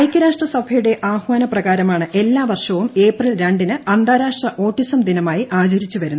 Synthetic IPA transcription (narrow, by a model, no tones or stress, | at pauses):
ɐjkʲːɐɾaːʂʈrɐsɐbʱɐjuɽe̞ʔaːhʋaːnɐprɐɣaːɾɐmaːɳɨʔe̞lːaːʋɐrʂɐʋume̞ːprɐlɾeɳɖinɨɐnd̪ʱaːɾaːʂʈrɐʔo̞ːʈːisɐmd̪inɐmaːjiʔaːd͡ʑɐɾit͡ɕːuʋɐɾunː